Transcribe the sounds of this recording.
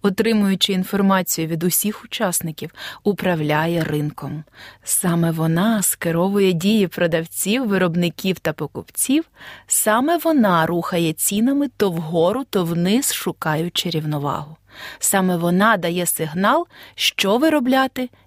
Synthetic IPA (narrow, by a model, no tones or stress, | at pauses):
ɔt̪ɾɪmʊjʊt͡ʃɪinfɔrmɑt͡sʲijʊʋʲid̪ʊsʲixʊt͡ʃɑsnɪkʲiwʊpɾɐwlʲajɛrɪnkɔmsɑmɛʋɔnɑskeɾɔʋʊjɛdʲijipɾɔd̪ɐwt͡sʲiwːɪɾɔbnɪkʲiwt̪ɐpɔkʊpt͡sʲiwsɑmɛʋɔnɑɾuxɐjɛt͡sʲinɐmɪt̪ɔwɦɔɾʊt̪ɔwnɪzʃʊkɑjʊt͡ʃɪɾʲiwnɔʋɑ̰ɦʊ | sɑmɛʋɔnɑd̪ɐjɛsɪɦnɑlˠʃt͡ʃɔʋɪɾɔblʲɑt̪ɪ